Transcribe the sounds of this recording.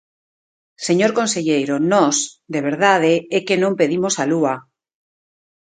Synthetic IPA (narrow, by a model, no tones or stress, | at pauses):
seɲoɾkonseʎejɾonosd̪eβ̞eɾðað̞eekenõmpe̞ðimosalua